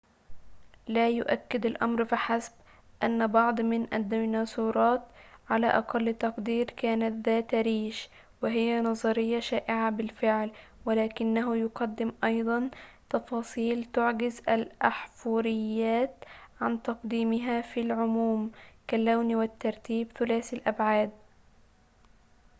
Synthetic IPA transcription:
laːjʊʔakːɪd̪alʔɑmɾfiħasb | ʔanːbɑʕd̪ˤmɪnʔad̪ːnɑːsuːɾˤɑːt̪ʕala̰ːʔɑqɑlːt̪ɑqd̪iːɾkaːnat̪ðaːt̪aɾiːʃ | wɪɦɪjːanɑzˤɑɾɪjːaʃaːʔɪʕabɪlfɪʕl | wɪlaːkɪnːaɦʊjʊqɑd̪ːɪmʔɑjd̪ˤɑnt̪ɑfɑːsˤiːlt̪ʊʕɡɪzʔalʔaħfuːɾɪjːaːt̪ʕant̪ɑqd̪iːmɪɦafilʕʊmuːmkalːawnwɪt̪ːɑɾˤt̪iːbθʊlaːsalʔabʕaːd̪̚

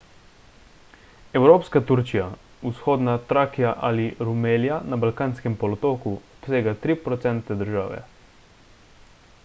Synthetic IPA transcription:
ɛwɾoːpskat̪uɾt͡ʃija | usxoːd̪nat̪ɾaːkijaʔaliɾumeːljanabalkaːnskɛmpɔlɔt̪oːkuɔpseːɡat̪ɾiːpɾɔt̪sɛnt̪ɛd̪əɾʒaːʋɛ̰

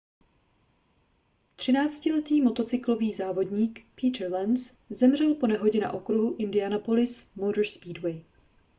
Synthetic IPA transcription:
t̪r̝̥ɪnaːt͡scɪlɛt̪iːmo̞t̪o̞t͡sɪklo̞viːzaːvo̞dɲiːkpiːt̪ɾlɛns | zɛmr̝ɛlpo̞nɛɦo̞ɟɛna̰ʔo̞kɾuɦuʔɪndɪanapolɪsmodəɾspiːdwɛj

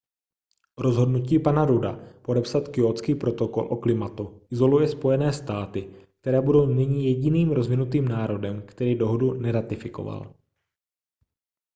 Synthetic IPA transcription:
ɾo̞zɦo̞dnuciːpanaɾuda̰po̞dɛpsat̪kɪot͡skiːpɾo̞t̪o̞ko̞lʔo̞klɪmat̪uʔɪzo̞lujɛspo̞jɛnɛːst̪aːt̪ɪk̚t̪ɛɾɛːbudo̞wnɪɲɪjɛɟɪniːmɾo̞zvɪnut̪iːmnaːɾo̞dɛmkt̪ɛɾiːdo̞ɦodunɛɾat̪ɪfɪko̞̰va̰l

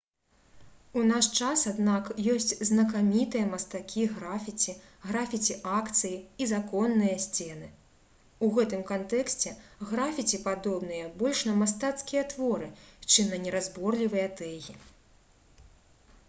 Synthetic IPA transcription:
unaʂt͡ʂasad̪nakjɔsʲt͡sʲznɐkamʲit̪ɨjɐmɐst̪akʲiɣɾafʲit͡sʲi | ɣɾafʲit͡sʲiʔakt̪sɨjiizakɔnːɨjɐsʲt͡sʲɛnɨ | uɣɛt̪ɨmkant̪ɛksʲt͡sʲɛɣɾafʲit͡sʲipad̪ɔbnɨjɐbɔlʲʂnɐmast̪at̪skʲijɐt̪vɔɾɨt͡ʂɨmnɐnʲɛɾazbɔrlʲivɨjɐt̪ɛɣʲi

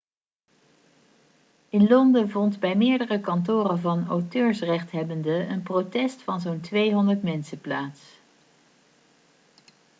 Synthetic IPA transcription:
ɪnlɔndəvɔndbɛjmɪːɹdərəkɑntʊːrəvɑnowtøːɹsrɛχtɦɛbəndəənprotɛstfɑnzowntʋejɦɔndəɹtmɛnsəplaːts

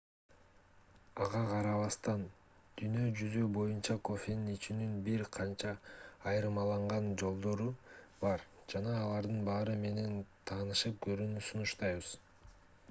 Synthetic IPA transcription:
ɑʁɑqʰɑɾɑβɑst̪ɑn | d̪̥yjnø̞d͡ʒyzybo̞junt͡ʃɑko̞fʲe̞ninit͡ʃynynbiɾqʰɑnt͡ʃɑːjɯɾɯmɑlˠɑɴʁɑnd͡ʒo̞lˠd̪o̞ɾubɑɾd͡ʒɑnɑːlˠɑɾd̪ɯnbɑːɾɯme̞ne̞nt̪ʰɑːnɯʃɯp̚ɡø̞ɾynysunuʃt̪ɑjβɯz̥

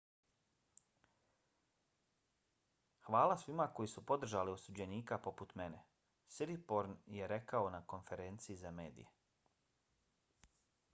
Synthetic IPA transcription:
xʋaːlˠasʋimako̞jisupo̞d̪r̩ʒaliosud͡ʑe̞niːkapo̞put̪me̞ne̞ | siɾipo̞ɾnje̞ɾe̞kaonako̞nfe̞ɾe̞ːnt̪siizameːd̪ḭje

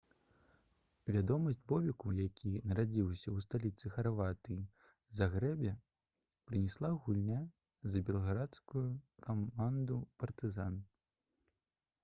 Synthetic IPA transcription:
vʲad̪ɔmɐsʲd͡zʲbɔvʲikujakʲʰinɐɾad͡zʲiwsʲɐwst̪alʲit̪sɨxarvat̪ɨi | zaɣɾɛbʲɛ | pɾɨnʲɛslˠaɣulʲnʲa | zɐbʲɛlˠɐɣɾat̪skujukaand̪upɐrt̪ɨzan

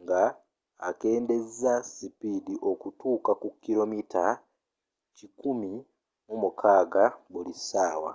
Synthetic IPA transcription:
ŋɡaː | ke̞ːnde̞zzasipidiʔo̞kutuːkakukilo̞mitʰa | cikumi | mumukʰaːɡabulisaːwa̰

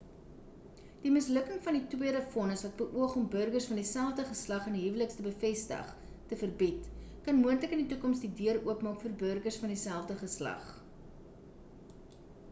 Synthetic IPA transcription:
d̥iməsləkəŋfɐnditwiəɾəfɔnəsvɐt̚bəʔuəχɔmbərɡərsfɐndisælˠfdəχəslɐχəniɦivələkstəbəfɛstə̰χ | təfərbitkɐnmuəntləkənditukɔmsdidiəruəpmɑːkfərbərɡərsfɐndisælˠfdəχəslɐ̰χ

